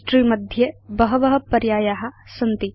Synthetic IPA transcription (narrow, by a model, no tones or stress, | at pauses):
ʈɾiːmɐd̪ʱjɐbɐɦɐʋɐɦɐ̆pɐɾjaːjaːɦɐ̆sɐnt̪i